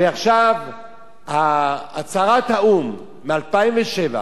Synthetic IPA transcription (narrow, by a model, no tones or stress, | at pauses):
veaχʃav | haːt͡saʁat̪haumː | ealpaimveʃeva̰